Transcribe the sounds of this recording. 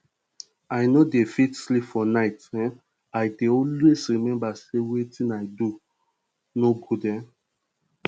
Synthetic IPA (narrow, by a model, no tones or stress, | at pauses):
aɪnodefitslipfɔnaɪtɛ̃ | aɪdeɔlwesɹimɛ̃mbasewetĩnaɪdu | nobudɛ̃